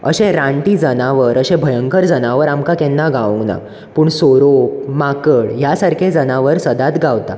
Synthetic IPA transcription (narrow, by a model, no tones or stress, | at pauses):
ə̰ɕẽɾãɳʈiːd͡zənaʋəɾəɕẽbʱəjəŋkəɾd͡zənaʋəɾamkakɛnːaɡʱaʋə̃ŋɡna̰ | puːɳsoɾop̚makəɭjasaɾkʰed͡zənaʋəɾsəd̪at̪ɡʱaʋt̪a